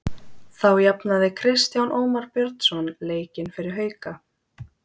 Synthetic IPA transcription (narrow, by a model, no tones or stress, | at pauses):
θawjapnaðɪkʰɾɪst̪janʔoːwmaɾpjœɾt̪sɔnleːjcɪnfɪɾɪɾ̥ɦœːɥka